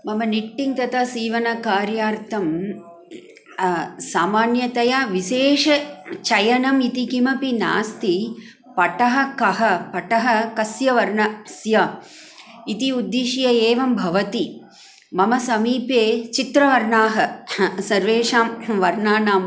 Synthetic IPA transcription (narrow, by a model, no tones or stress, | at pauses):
mɐmɐniʈːiŋt̪ɐt̪ɐsiːʋɐnɐkaːɾjaːɾt̪ʰɐm | saːmaːnjɐt̪ɐjɐʋiʃeːʂɐt͡ʃɐjɐnɐmit̪ikimɐpina̰ːst̪i | pɐʈɐɦɐ̆kɐɦɐpɐʈɐɦɐ̆kɐsjɐʋɐɾnɐsjɐ | it̪iud̪ːiʃjɐeːʋɐmbʱɐʋɐt̪i | mɐmɐsɐmiːpeːt͡ʃit̪ɾɐʋɐɾɳaːɦɐsɐɾʋeːʂaːmʋɐɾnaːnaːm